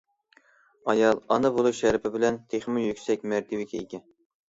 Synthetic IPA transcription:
ɑjɑlˠɑ̰nɨbolˠuʃæɾpʰɪbɪlɛnt̪ʰeχmɪjykʲsɛk̚ʲmæɾt̪ʰʲɪwɪkʲʰɛiɡʲɛ

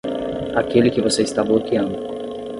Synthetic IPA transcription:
akʲelʲɪkʲɪvosejst̪avɐlˠokʲiɐ̃nd̪ʊ

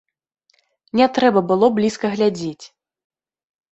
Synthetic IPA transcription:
nʲɛt̪ɾɛbɐbɨlˠɔblʲiskɐɣlʲad͡zʲet͡sʲ

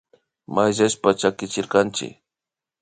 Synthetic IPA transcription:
majsespat͡ʃakɪt͡ʃɪɾqɑnt͡ʃɪ̰k

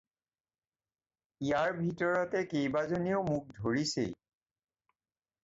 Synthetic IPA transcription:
ijaɹbʱitɔɹɔtɛkejbazonioʊmuk̚dʱoɹisḛj

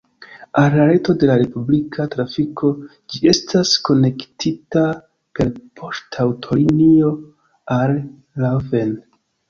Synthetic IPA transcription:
alːaɾe̞to̞de̞laɾe̞publikʰatɾafikʰo̞ | d͡ʒie̞stasko̞ne̞ktʰita | pe̞lpʰo̞stʰawtʰo̞ɾinio̞ | alː | ave̞n

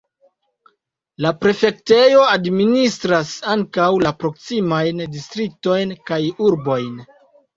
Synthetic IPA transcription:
lapɾe̞fe̞kte̞jo̞administɾasaŋkawlapɾo̞ksimajndistɾik̚to̞jnkajuɾbo̞jn

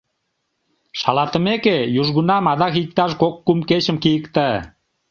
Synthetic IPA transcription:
ʃɑlɑt̪ə̆mekejuʒɣunɑmɑd̪ɑkik̚t̪ɑʃkokːumket͡ɕəmkijəkt̪ə

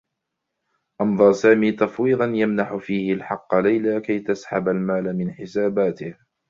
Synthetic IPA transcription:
ʔɑnðˤɑɾˤsaːmiːt̪ɑfwiːd̪ˤɑnjamnaħʊfiːhɪlħɑqːlajlaːkajt̪asħabalmaːlamɪnħɪsaːbaːt̪ɪh

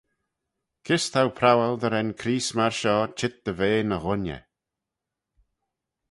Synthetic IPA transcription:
kʰɪst̪ʰawpʰɾawald̪əɾɛnkʰɾiːsmaɹʃɔːt͡ʃʰɪt̪̚d̪̥əveːnəɣʊnjə̰

